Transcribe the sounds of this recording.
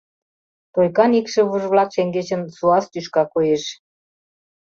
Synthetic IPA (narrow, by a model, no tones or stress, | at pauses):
t̪ojkɑnikʃĕβuʒβlɑkʃeŋɡet͡ɕə̆nsuɑst̪yʃkɑkojeʃ